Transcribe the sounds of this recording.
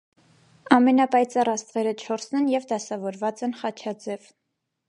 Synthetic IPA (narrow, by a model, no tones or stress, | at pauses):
ɑmɛnɑpɑjt͡sɑrɑst̪ʁɛɾət͡ʃʰɔɾsnɛnjɛvd̪ɑsɑvɔɾvɑt͡sɛnχɑt͡ʃʰɑd͡zɛv